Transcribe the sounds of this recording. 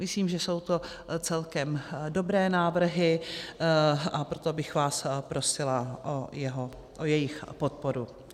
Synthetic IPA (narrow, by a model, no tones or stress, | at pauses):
mɪsliːmʒɛso̞wt̪o̞ | t͡sɛlkɛmdo̞bɾɛːnaːvr̩ɦɪ | ʔapɾo̞t̪o̞bɪxvaːspɾo̞sɪlaʔojɛɦo | ʔojɛjɪxpo̞t̪̚po̞ɾu